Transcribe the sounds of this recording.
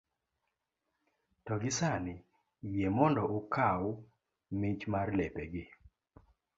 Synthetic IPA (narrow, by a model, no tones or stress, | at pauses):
tɔɡɪsanɪ | jemɔndɔʔokʰaw | mɪt͡ʃmarlɛpeɡɪ